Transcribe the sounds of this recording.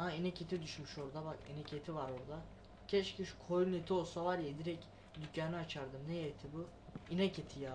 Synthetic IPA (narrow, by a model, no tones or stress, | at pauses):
ainɛcʰet̪ʰid̪yʃmyʃo̞ɾd̪abakinɛcʰet̪ʰivaɾoɾd̪a | cʰɛt͡ʃcʰiʃu̥kʰojunet̪ʰio̞lˠsavaɾjed̪iɾɛc | d̪ycːaːnɯat͡ʃʰaɾd̪ɯmnɛjet̪ʰibu | inɛcʰet̪ʰija